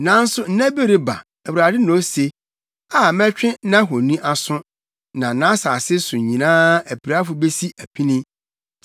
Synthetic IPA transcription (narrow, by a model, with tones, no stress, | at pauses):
nã˨˦n̩˦sʊ˦n̩˦næ̃˦be˦ɾe˦ba̰˨ | æ˨wu˨ɾa˨dɪ˦nɔ̃˨˦se˦ | a˦˨mɛ̃˦t͡ɕᶣɪ̃˦nã˦ɦɔ̃˨nĩ˦ʔa˦sʊ̃˦ | nã˨nã˨˦saː˨sɪ˦sʊ̃˨ɲĩ˨nãː˦æ˨pʰi˨ɾa˦fʊ˨be˦si˦ʔæ˨pʰi˦nɪ̃˦